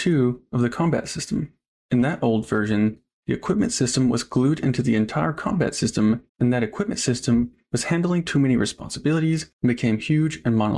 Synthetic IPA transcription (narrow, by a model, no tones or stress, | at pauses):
tʰʉʌvðɨkʰɑ̃mbæ̰tsɪstm̩ | ɨ̃nðɨɾʔoʊlˠdvɜ˞ʒɨ̃n | ðiɨkʰw̥ɪp̚mɨ̃ntsɪstə̃mwʌ̰zɡlʉɾɪ̰̃ntʉðiɨ̃ntʰaɪə˞kʰɑ̰̃mbæ̰tsɪstə̃m | ɨ̃nðɨɾɨkʰw̥ɪp̚mɨ̃n̩tsɪstɨ̃m | wʌz̥hæ̃ndˡl̩ˠɪ̃ŋtʰʉmɛñiɹɨspɑ̰̃nsəbɪlˠəɾizn̩bɨkʰẽɪ̃mhjʉd͡ʒɨ̃nmɑn̰